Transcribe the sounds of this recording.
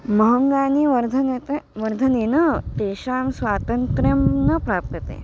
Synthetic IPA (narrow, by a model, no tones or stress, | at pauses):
məɦəŋɡaniʋɐɾd̪ʱənet̪eʋɐɾd̪ʱəninət̪eɕamsʋat̪əŋkɾemnəpɾap̚t̪ət̪ḛ